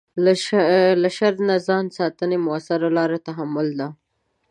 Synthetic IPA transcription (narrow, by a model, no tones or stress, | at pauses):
laʃaɾd̪nazɑnsɑt̪ənemʊasaɾalɑɾat̪aɦamʊld̪a